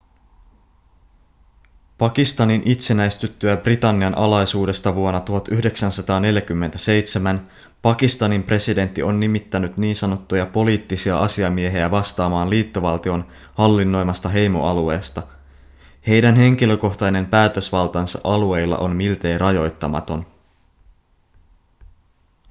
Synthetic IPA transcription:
pɑkist̪ɑninʔit̪se̞næjst̪yt̪ːyæbrit̪ɑnːiɑnʔɑlɑjsuːde̞st̪ɑʋuonːɑt̪uhɑt̪ʔyhde̞ksænsɑt̪ɑːne̞ljæk̟ymːe̞nt̪æse̞jt̪semæn | pɑkist̪ɑnimpre̞side̞nt̪ːio̞nːimit̪ːænyt̪niːnsɑnot̪ːujɑpo̞liːt̪ːisiɑʔɑsiɑmie̞ɦeæʋɑst̪ɑːmɑːnliːt̪ːo̞ʋɑlt̪io̞n | hɑlːinːo̞jmɑst̪ɑɦe̞jmo̞̰ʔɑlue̞ːst̪ɑ | he̞jdænɦe̞ŋkilø̞ko̞ht̪ɑjne̞mpæːt̪øsʋɑlt̪ɑnsɑ̰ʔɑlue̞jlːɑ̰ʔo̞nmilt̪e̞ːrʔɑjo̞jt̪ːɑmɑ̰t̪o̞n

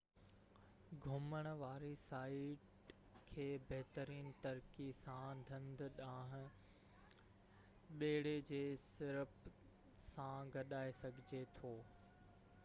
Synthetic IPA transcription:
ɡʱʊməɽ̃̆ʋaːɾisaːɪʈ | kʰeːbɐɦɪt̪əɾiːnt̪ɐɾkisãd̪ʱɐ̃nd̪ɗãːɦɪ̃̆ | ɓeːɽ̤ed͡ʑeːsɪɾəp | sãɡɐɗaːesɐɡʱɪd͡ʑet̪ʰoː

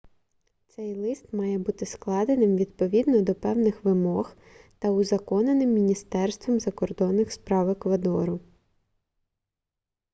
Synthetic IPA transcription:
t̪sɛjlˠɪst̪mɑjɛbut̪ɪsklˠɑd̪enɪmʋʲid̪̚pɔʋʲid̪nɔd̪ɔpɛwnɪxʋɪmɔx | t̪ɐʊzɐkɔnenɪmːʲinʲist̪ɛrst̪ʋɔmzɐkɔrd̪ɔnːɪxspɾɑʋɪkʋɐd̪ɔɾʊ

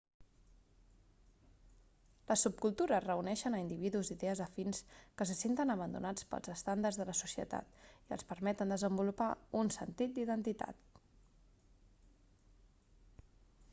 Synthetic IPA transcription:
ləsːup̚kulˠt̪uɾərəunɛʃənəind̪iβ̞iðuziðɛəzəfinskəsəsent̪ənəβ̞ənd̪ṵnat͡spə̰lˠzəst̪and̪ərzðələsusiə̰t̪a̰t̪iə̰lˠspəɾmɛt̪ənd̪əzəmbulupaunsənt̪it̪̚d̪iðənt̪it̪a̰t̪

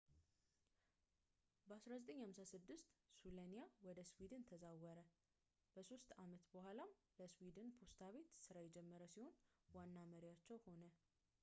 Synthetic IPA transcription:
bəasɾazət̪ʼəɲːhamsasɨd̪ːɨst̪sulanijawɔd̪əswid̪ɨnt̪ʰəzawəɾə | b̥əso̞st̪amət̪bəhʷalam | ləswid̪ɨnpʰo̞st̪ʰaβe̞t̪sɨɾajɛd͡ʒɛmːəɾəsiho̞nwanːaməɾijat͡ʃːɛwho̞nə

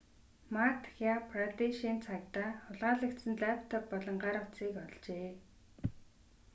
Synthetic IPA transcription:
mat̪ʰxʲapʰrat̪iʃiːnt͡sʰakt̪aːʊɮʁaːɮə̆kt̪sɘ̆nɮæpʰt̪ʰɔpːɔɮɞ̆ɴɢaɾə̆χt͡siːkɔɮt͡ɕeː

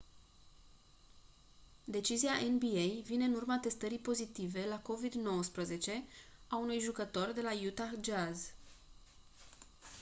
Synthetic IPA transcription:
d̪e̞t͡ʃiziaʔenbiejvine̞ɨnurmat̪e̞st̪əɾipo̞zit̪ive̞lako̞vid̪no̞wəspɾəze̞t͡ʃe̞aunujʒukət̪o̞rd̪e̞lajut̪axd͡ʒaz

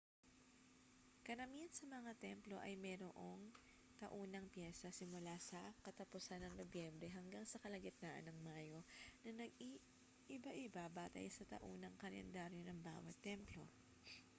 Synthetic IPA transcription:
kɐɾɐmiɐnsɐmɐŋat̪ɛmplo̞ʔɐjmɛːɾoʔoŋ | t̪ɐʔuːnɐŋpjɛsɐsɪmʊlasɐkɐt̪ɐpʊsanːɐŋnobjɛmbɾɛɦɐŋɡaŋsɐkɐlɐɡɪt̪̚naːʔɐ̰nɐŋmaːjo̞nɐnɐɡ̚i | ʔɪbaʔɪbabaːt̪ɐ̰jsɐt̪ɐ̰ʔuːnɐŋkɐlɛ̰nd̪aɾjonɐŋba̰ːwɐt̪ːɛmplo̞̰

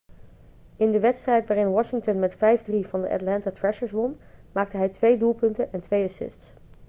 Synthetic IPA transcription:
ɪndəʋɛtstrɛjtʋaːrɪnʋɑʃɪŋtənmɛtfɛjvdrivɑndə̰ʔɑ̰tlɛntaːtɹɛʃəɹsʋɔnmaːk̚təɦɛjtʋejdulˠpɵntənɛntʋejɑsɪ̰sts

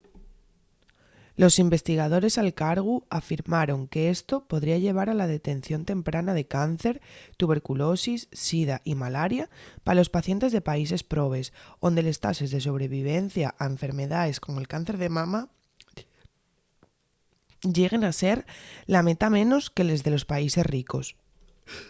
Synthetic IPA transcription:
lo̞simbe̞st̪iɣ̞að̞o̞ɾe̞salkaɾɣ̞uafiɾmaɾo̞ŋke̞e̞st̪o̞po̞ðɾiaʎe̞β̞aɾalað̞e̞t̪e̞nθjo̞nt̪e̞mpɾʔanað̞e̞kan̟θe̞ɾt̪uβe̞ɾkulo̞sisːiðaʔimalaɾjapaalo̞spaθje̞nt̪ezðe̞paise̞spɾo̞β̞e̞so̞nd̪e̞le̞st̪a̰sezðe̞so̞β̞ɾe̞β̞iβ̞e̞n̟θjaʔaeɱfe̞ɾme̞ðae̞sko̞moelkan̟θe̞ɾðe̞mãma | ɟ͡ʝe̞ɣ̞e̞nase̞ɾlame̞t̪amẽ̞no̞ske̞le̞zðe̞lo̞spaise̞sriko̞s

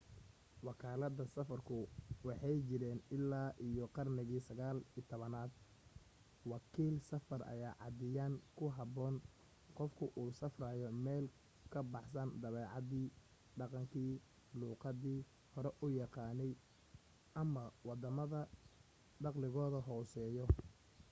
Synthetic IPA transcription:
wɑkʰaːlɐðɐsɐfɐrkʰʊwɑħɑjt͡ʃɪɾɛːnɪlːaːʔijɔqɑrnɪɣiːsɐɣaːliːt̪ʰɔβɐnaːd̪ | wɑkʰiːlsɐfɐrʔɐ̰jaːʕɑ̰d̪ɪjaːŋkʰʊɦɑbɔːn | qɔfkʰʊʔuːsɐfraːjɔmɛːl | kʰɐbɑħsɐnd̪ɐβɛːʕɑðiː | ɖɑqɑŋkʰiː | luːqɑðiː | hɔɾɛʔʊjɑqɑːnɛj | ʔɐmɐwɑd̪ɐmɐðɐ | ɖɑqlɪɣɔːðɐɦɔːsɛːjɔ

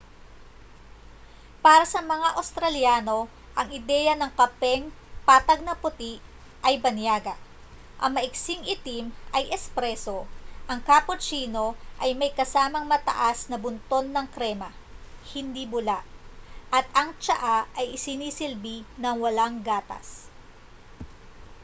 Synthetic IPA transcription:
paːɾɐsɐmɐŋaʔɐwst̪ɾɐljaːno̞ | ʔɐŋɪd̪ɛjɐnɐŋkɐpɛŋpaːt̪ɐɡ̚nɐpʊt̪iʔ | ʔɐjbɐnjaːɡɐ | ʔɐ̰ŋmɐʔɪksiŋʔɪt̪imʔɐjʔɛspɾɛso̞ʔɐŋkaːpot͡ʃiːno̞ʔɐjmɐjkɐsaːmɐŋmɐt̪ɐ̰ʔasnɐbʊnt̪o̞nːɐŋkɾɛmɐ | hɪnd̪ibʊlaʔʔɐt̪̚ɐŋt͡ʃɐʔaʔɐjʔɪsɪniːsɪlbinɐŋwɐlaŋɡaːt̪ɐ̰s

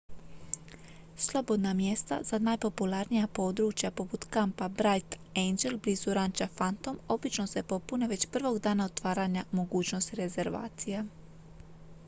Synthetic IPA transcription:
slˠo̞bo̞d̪namje̞st̪a̰zanajpo̞pulaɾnijapo̞ːd̪ɾuːt͡ʃjapo̞put̪kampabɾajt̪ | end͡ʒelbliːzuɾant͡ʃafant̪o̞mo̞bit͡ʃno̞se̞po̞pune̞ʋe̞t͡ɕpr̩ʋo̞ɡd̪aːnao̞t̪ʋaːɾaɲamo̞ɡuːt͡ɕno̞st̪iɾe̞ze̞ɾʋa̰ːt̪sije

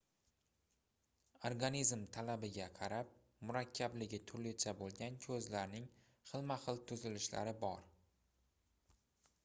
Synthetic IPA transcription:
oɾɡanizmt̪ʰalabɪɡʲaqʰɑɾap̚ | mʊɾakʲʰːablɪɡʲɪt̪ʰʊɾlɪt͡ʃʰabolˠɡʲankʲʰɵzlaɾnɪŋ | χɨlˠmaχɨlˠt̪ʰʊzɪlɪʃla̰ɾɪbɒɾ

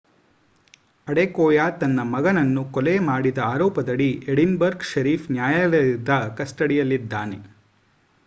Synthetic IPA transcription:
ɐɽekɔːjaːt̪ɐnːɐmɐɡɐnɐnːukɔlemaːɽid̪ɐaːɾɔːpɐd̪ɐɽiʔeɽinbɐɾɡʃɐɾiːfnjaːjɐɾɐd̪ɐkɐsʈɐɽijɐlːid̪ːaːne

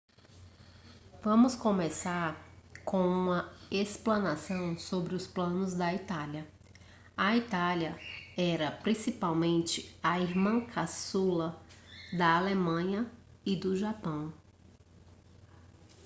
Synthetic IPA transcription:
vɐ̃mʊskõmesaɾkõũmɐesplɐ̃nasɐ̃w̃sobɾɪʊsplɐ̃nʊzd̪ɐit̪aljɐ | ɐit̪aljɐɛɾɐpɾĩsipawmẽnt͡ʃɪɐiɾmɐ̃kʰasulɐd̪ɐalemɐ̃ɲɐɪd̪ʊʒapɐ̃w̃

